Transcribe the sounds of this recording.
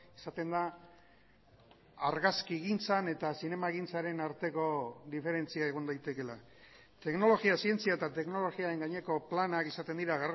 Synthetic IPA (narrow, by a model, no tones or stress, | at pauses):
esat̪e̞nd̪a | aɾɣaskiɣint͡sane̞t̪asine̞maeɣint͡saɾe̞naɾt̪e̞ko̞d̪ife̞ɾe̞nt͡siaeɣ̞ond̪ajt̪e̞ke̞la | t̪e̞kno̞lo̞ɣiasie̞nt͡siae̞t̪at̪e̞knolo̞ɣiaɾe̞ŋɡaɲe̞ko̞planakisat̪e̞nd̪iɾaɣar